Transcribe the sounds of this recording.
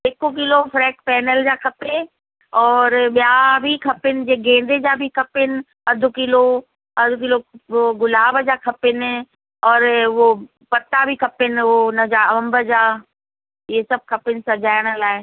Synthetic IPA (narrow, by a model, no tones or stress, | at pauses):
ɪkok̬ɪlofɾɛːkpɛːnəld͡ʑakʰɐpe | ɔːɾɓjabʱikʰɐpɪnɪ̆d͡ʑeːɡẽːn̆d̪ed͡ʑabʱikʰɐpɪnɪ̆ | ɐd̪ʱʊkɪlo | ɐd̪ʱʊkɪloɡʊlaːbd͡ʑakʰɐpɪnɪ | ɔːɾo | pɐt̪ːabʱikʰɐpɪnɪonɐd͡ʑaɐʋə̃mbəd͡ʑaː | esɐb̚kʰɐpɪnɪ̆sɐd͡ʑaːɪɽ̃əlaːe